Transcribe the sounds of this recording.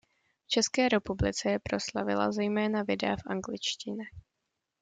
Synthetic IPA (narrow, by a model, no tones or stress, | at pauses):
ft͡ʃɛskɛːɾɛpublɪt͡sɛjɛpɾo̞slavɪla̰zɛjmɛːnavɪdɛafʔaŋɡlɪt͡ʃcɪɲɛ